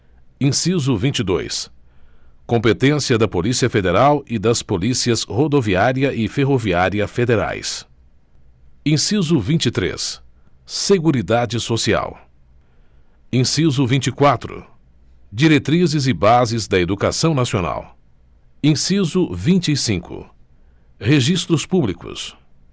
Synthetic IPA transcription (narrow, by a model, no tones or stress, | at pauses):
ĩsizʊvĩnt͡ʃid̪o̰js | kõpet̪ẽsiɐd̪ɐpolisiɐfed̪eɾawɪd̪ɐspolisiɐshod̪oviaɾiɐʔɪfeɦoviaɾiɐfed̪eɾa̰js | ĩsizʊvĩnt͡ʃɪt̪ɾḛsː | eɡuɾid̪ad͡ʒɪsosia̰w | ĩsizʊvĩnt͡ʃɪkwat̪ɾʊ̰ | d͡ʒiɾet̪ɾizɪzɪbazɪzd̪ɐed̪uka̰sɐ̃w̃nasiona̰w | ĩsizʊvĩnt͡ʃɪisĩŋkʊ̰ | heʒist̪ɾʊspublikʊ̰s